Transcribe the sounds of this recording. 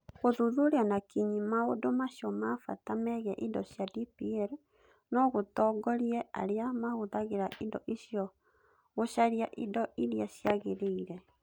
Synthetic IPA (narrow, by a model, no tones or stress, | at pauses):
ɣoðuðoɾeanakiɲimaodomaɕjɔmafa̰tamɛɣɛʔidɔ̰ɕjadipiɛɾ | nɔɣotɔɡɔɾiɛa̰ɾeamahoðaɣeɾaʔindɔ̰ʔiɕjɔ | ɣoʃaɾiaʔidɔiɾiaɕjaɣeɾeiɾɛ